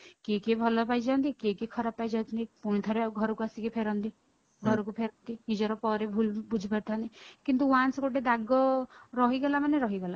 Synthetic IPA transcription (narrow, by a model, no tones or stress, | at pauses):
kekebʱɔlɔpajd͡ʒant̪ikekekʰɔɾapːajd͡ʒant̪nipuɽ̃ĩt̪ʰɔɾeɡʱɔɾɔkuasikipʰeɾɔnt̪i | ɡʱɔɾɔkupʰeɾɔnt̪iɦid͡ʒɔɾɔpɔɾebʱulbud͡ʒʱipaɾt̪ʰant̪ikint̪uanskoʈed̪aɡɔɾɔɦiɡɔlamaneɾɔɦiɡɔla